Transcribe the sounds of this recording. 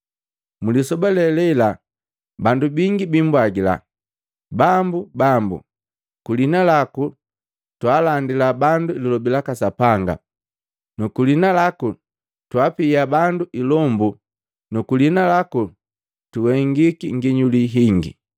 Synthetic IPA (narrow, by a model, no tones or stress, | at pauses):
mulisɔbalɛlɛla | bandubiŋɡibimbwaɡila̰ | bambubambṵ | kulinalaku | twaːlandilabanduililɔbilakasapaŋɡa̰ | nukulinalaku | twapiabanduʔilɔmbu | nukulinalaku | tuwɛŋɡikiŋɡiɲuliɦiŋɡḭ